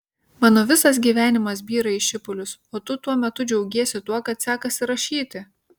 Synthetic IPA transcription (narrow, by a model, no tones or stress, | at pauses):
mɑːnoːʋʲɪsɐs̬ɡʲiːʋʲæːnʲɪmɐs̬bʲiːɾɐɪʃʲɪpʊlʲʊsoːt̪ʊt̪uɔmʲɛt̪ʊd͡ʒʲɛʊɡʲiɛsʲɪt̪uɔkɐt̪sʲæːkɐsʲɪɾɐʃʲiːt̪ʲɪ